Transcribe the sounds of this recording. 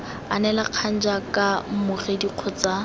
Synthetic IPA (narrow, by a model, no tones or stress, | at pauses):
anɛlaq͡χʰan̩d͡ʒakʼamʊrediq͡χʰɔt͡sa